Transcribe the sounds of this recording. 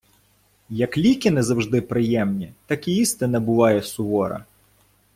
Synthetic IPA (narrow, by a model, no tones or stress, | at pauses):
jɐklʲikʲɪnɛzɐwʒd̪ɪpɾɪjɛmnʲit̪ɑkiist̪ɪnɐbʊʋɑjɛsʊʋɔɾɐ̰